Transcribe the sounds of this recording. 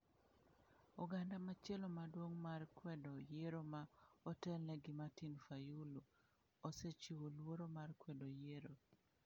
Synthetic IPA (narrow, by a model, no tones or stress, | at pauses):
ɔɡandamat͡ʃelomadwoŋmarkwɛdɔjeɾomaɔtɛlnɛɡɪmatinfajulo | oset͡ʃiwolwoɾomarkwɛdojeɾo